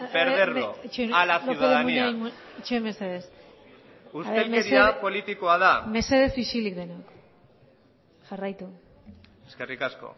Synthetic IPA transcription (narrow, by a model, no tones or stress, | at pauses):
eɾðeroit͡ʃuenalasouoðemuaimuit͡ʃuemeseðes | usaðelmesɾiapo̞lit̪ikoaðame̞se̞ðe̞sisilikd̪enok | ʝarajt̪u | eskerikasko̞̰